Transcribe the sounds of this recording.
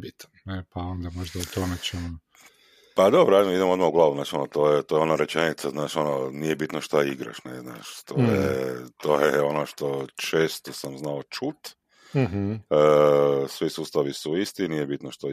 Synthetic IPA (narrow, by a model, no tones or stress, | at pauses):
bit̪ | nepaond̪amoʒd̪aut̪omet͡ʃemu | pad̪o̞bɾoamoid̪emo̞d̪mauɡlˠaːʋuznaːʃonot̪oːjet̪ojeonaɾet͡ʃenit̪saznaːʃo̞nonijebit̪noʃt̪aiɡɾa̰ʃnezna̰ːʃt̪oːjet̪ojeo̞noʃt̪o̞t͡ʃeːst̪osamznaot͡ʃut̪ | əsʋisust̪aʋisuist̪inijebit̪noʃt̪o